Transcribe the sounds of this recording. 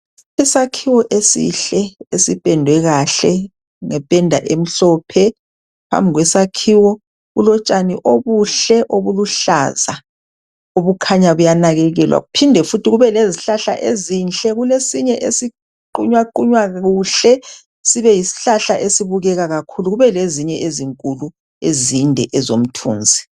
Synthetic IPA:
ɛsakʰiwɔʔesḭɬɛesipʼɛndʱwɛɣaɬɛ | ŋɛpʼɛndʱa̰ʔem̩ɬɔːpʰɛ | pʰa̰mbʱiɣwɛsakʰiwɔ | ɣṵlɔt͡ʃʼaniʔoβuɬɛʔoβuluɬa̰za | oβukʰaɲaβujanaɣɛɣɛlwa̰ɣupʰindʱɛfutʰiɣuβɛleziɬaɬa̰ʔezint͡ɬʼɛɣulesiɲɛʔesi | ǃuɲwaǃuɲwaɣuːɬɛ | siβɛjisi̥ɬaɬaʔesiβuɣɛɣaɣakʰuluɣuβɛleziɲɛʔeziŋkʼulu | ezindʱɛʔɛzom̩tʰṵːnd͡zʱi

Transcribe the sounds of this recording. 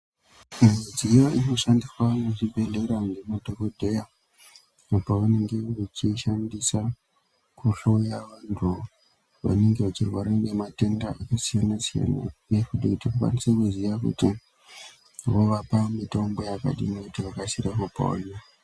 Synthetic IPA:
muid͡zijoʔino̞ʃandiswanoʐibʱe̞ɮe̞ɾaŋɡemodʱokodʱe̞ja | apaʋane̞ŋɡe̞ʋet͡ʃiʃandisa | kuɬo̞jaʋantʰu | ʋa̰ne̞ŋɡeʋat͡ʃirwaɾaŋɡemate̞ndaʔakasijanasija̰na̰nefudikutikukwa̰nisekuziʋakṵti | ʋoʋapamito̞mbo̞jaka̰ɗḭmikutiʋakasirakopa̰o̰ɲa

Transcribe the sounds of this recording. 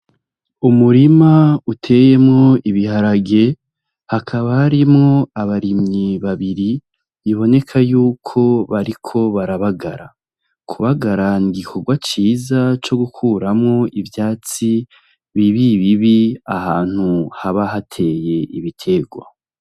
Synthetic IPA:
umuɾimautʰe̞je̞mŋo̞iβihaɾaɡe̞ | hakʰaβahaɾimŋo̞aβaɾimɲiβaβiɾi | iβo̞ne̞kʰajuːkʰo̞βaɾikʰo̞βaɾaβaɡa̰ɾa | kʰuβaɡaɾaniɡikʰo̞ɡwat͡ʃiːzat͡ʃo̞ɡukʰuːɾamŋo̞ʔivjaːt͡si | βiβiβiβiahaːn̥huhaβaɦatʰe̞je̞ʔḭβitʰe̞ɡwa̰

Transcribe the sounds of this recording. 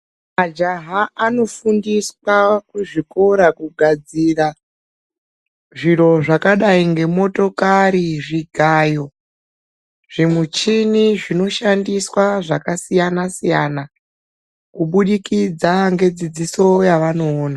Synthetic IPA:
mad͡ʒaɦaːno̞fundiswakuʐiko̞ɾakuɡʱad͡zira | ʐiɾo̞ʐakaɗaiŋɡe̞mo̞to̞kaɾiʐiɡʱajo̞ | ʐ̥imut͡ʃiniʐino̞ʃandiswaʐakasijanasijana | kuɓuɗikid͡zaŋɡe̞d͡zid͡ziso̞jaʋano̞ːna

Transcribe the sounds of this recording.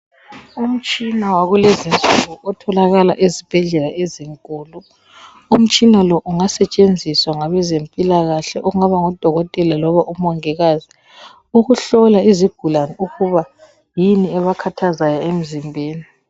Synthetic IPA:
um̩t͡ʃʼinawaɣulezint͡sʼuɣuʔɔtʰɔlaɣala̰ʔezib̥ʱɛɮɛlaeziŋkʼuːlu | um̩t͡ʃʼinalɔʔuŋasɛt͡ʃʼend͡zʱiswaŋaβɛzempʼilaɣaɬɛʔɔŋaβaŋɔd̥ʱɔɣɔtʼɛlalɔβaʔumɔŋɛɣazi | uɣuɬɔlaiziɡ̥ʱulanɛuɣuβa | jiniɛβakʰatʰazajɔem̩zimbʱeːni

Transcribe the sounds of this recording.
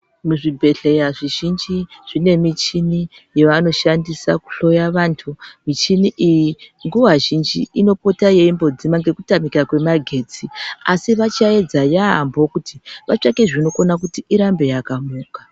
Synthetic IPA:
muʐibʱe̞ɬe̞jaʐiʒind͡ʒiʐ̥ine̞mit͡ʃini | jeʋano̞ʃandisa̰ku̥ɬo̞jaʋantʰumit͡ʃiniʔijiŋɡuwaʒind͡ʒḭino̞po̞taje̞imbo̞d͡zimaŋɡe̞kutamikakwe̞maɡʱe̞d͡ziasiʋat͡ʃae̞d͡zajaɦa̰mbo̞kutʰiʋat͡ʂakeʐino̞konak̬utiʔiɾambe̞jakamuːkḁ

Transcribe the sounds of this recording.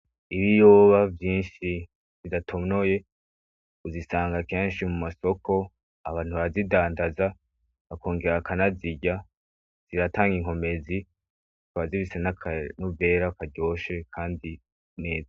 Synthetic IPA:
iβijo̞ːβavjiːnʃi | zidatʰono̞je̞ | uzisaːŋɡake̞ːnʃimumaso̞ko̞ | aβaːn̥huβaɾazidaːndaza | βakʰo̞ːŋɡe̞ɾakanaziɟa | z̥iɾataːŋɡiŋ̥ho̞me̞zi | twβaziβisenakʰnuve̞ɾakaɟo̞ʃe̞kʰaːndi | ne̞ːza

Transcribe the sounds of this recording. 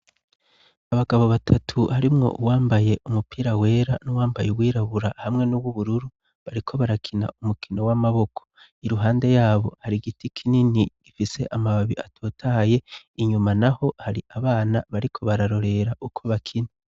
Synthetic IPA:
aβaɡaβo̞βatʰatʰuhaɾimŋo̞̰ʔuwaːmbaje̞ʔumupiːɾawe̞ːɾanuwaːmbajewiːɾaβuɾahamŋe̞nuβwuβuɾuɾu | βaɾikʰo̞βaɾakʰina̰umukino̞wamaβo̞kʰo̥ | iɾuɦaːnde̞jaːβo̞̰haɾiɡitikʰininiɡ̥ifise̞̰ʔamaβaβiatʰoːtʰaje̞ | iɲumanaho̞haɾiʔaβaːnaβaɾikʰo̞βaɾaɾo̞ɾe̞ɾaʔukʰo̞βakʰina

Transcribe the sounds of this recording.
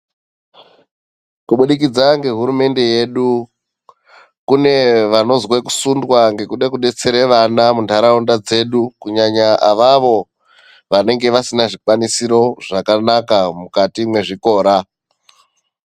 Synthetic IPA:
kuɓuɗik̬id͡zaŋɡe̞ɦuɾume̞nde̞je̞ɗu | kune̞ʋano̞zwe̞ku̥sundwaŋɡe̞kuɗekuɗe̞t͡se̞ɾe̞ʋanamundʱaɾaundad͡ze̞ɗukuɲaɲaʔaʋaʋo̞ | ʋane̞ŋɡe̞ʋasinaʐikwanisiɾo̞ʐakanakamukatimwe̞ʐiko̞ːɾa

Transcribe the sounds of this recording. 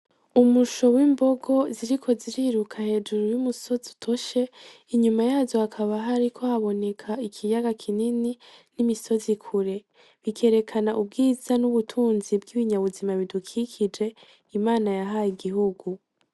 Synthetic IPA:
umuʃo̞wiːmbo̞ɡo̞ziɾikʰo̞ziɾiːɾukʰahe̞ːd͡ʒuɾujumuso̞zu̥tʰo̞ʃe̞ | iɲumajaːzohakʰaβaɦaɾikʰo̞haβo̞ne̞kʰaikʰijaɡakʰinininimiso̞zikʰuɾe̞ | βikʰe̞ːɾe̞kʰanaʔub̚ɡiːz̥anuβutʰuːnzibɡiβiɲaβuzimaβidukʰikʰid͡ʒe̞ | imaːnajaɦajiɡiɦuɡu

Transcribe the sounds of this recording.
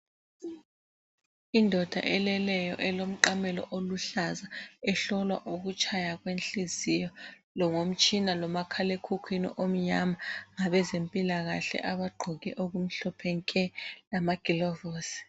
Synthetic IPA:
indʱɔd̥ʱa̰ʔɛlɛlɛjɔ̰ʔɛlom̩ǃamɛlɔ̰ʔoluɬazaɛɬɔlwa̰ʔuk̬ut͡ʃʰajaɣwenɬizijɔ | lɔŋom̩t͡ʃʼʰinalɔmakʰalekʰukʰwinḭʔom̩ɲamaŋaɓɛzempʼilaɣa̰ɬɛ̰ʔaɓaɡ͡ǃʱɔɣɛʔoɣ̬um̩ɬɔpʰɛŋkʼɛlamaɡ̥ʱilɔvɔːsi̥

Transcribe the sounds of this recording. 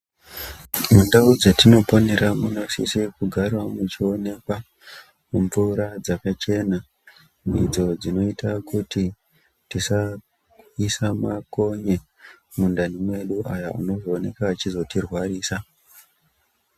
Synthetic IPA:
mundaud͡zetino̞po̞ne̞ɾamuno̞sḭsikuɡʱarwamut͡ʃio̞ne̞kwa | muɱvuɾad͡zakat͡ʃe̞na | mid͡zo̞d͡zino̞itakuti | tisa | isamako̞ɲe | mundanimwe̞ɗuʔajaṵno̞ʐoːne̞̰kaːt͡ʃizo̞tirwaɾiːsa

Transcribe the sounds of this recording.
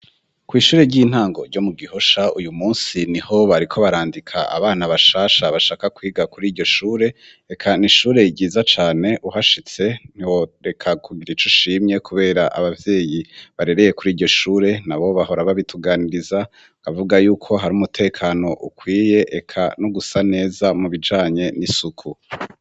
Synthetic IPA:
kwiːʃuːɾe̞ɟiːn̥haːŋɡo̞̰ɾɟo̞muɡiho̞ʃaujumuːnsiniho̞βaɾikʰo̞βaɾaːndikʰa̰a̰βaːnaβaʃaːʃaβaʃaːkakwiːɡakuɾiːɾɟo̞ʃuːɾe̞ | ekʰaniʃuːɾe̞iɟiːzat͡ʃaːne̞ʔuɦaʃit͡se̞n̥iwo̞ɾe̞kʰakʰuɡiɾit͡ʃuʃiːmɲe̞kʰuβe̞ːɾaʔa̰βavje̞ːjiβaɾe̞ɾe̞je̞kuɾiːɾɟo̞ʃuːɾe̞naβo̞βaɦo̞ɾaβaβitʰuɡaːniɾiza | kavuɡajuːkʰo̞ɦaɾumutʰe̞ːkʰano̞ʔukwiːje̞ʔekʰa̰noɡusane̞ːzamuβid͡ʒaːɲe̞nisukʰu

